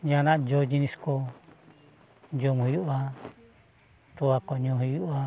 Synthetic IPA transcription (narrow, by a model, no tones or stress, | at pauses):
d͡ʒanaʔd͡ʒod͡ʒinisko | d͡ʒomuɦjuʔa | t̪uakoɲoɦijuʔa